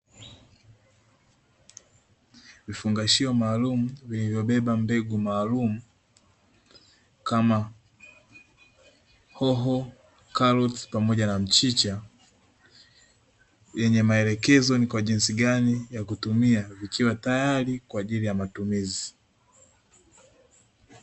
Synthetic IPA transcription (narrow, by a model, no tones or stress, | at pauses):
vifuŋɡaʃiɔmaːlumuvilivjɔɓɛɓambɛɡumaːlumu | kama | hɔɦɔ | kalɔtpamɔʄanam̩t͡ʃit͡ʃa | jɛɲɛmaɛlɛkɛzɔnikwaʄinsiɡanijakutumiavikiwatajalikwaːʄilijamatumizi